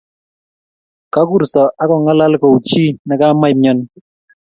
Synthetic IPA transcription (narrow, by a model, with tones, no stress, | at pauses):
ka˦ku˦˨ɾsɔ˨ʔa˦kɔ˨ŋa˦la˦lkɔ˨u˨t͡ʃi˦na˨ka˦ma˦jmɲɔ˦n